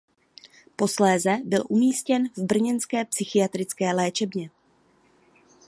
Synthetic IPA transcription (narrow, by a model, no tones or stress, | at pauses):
po̞slɛːzɛbɪlʔumiːscɛnvbr̩ɲɛnskɛːpsɪxɪjat̪ɾɪt͡skɛːlɛːt͡ʃɛbɲɛ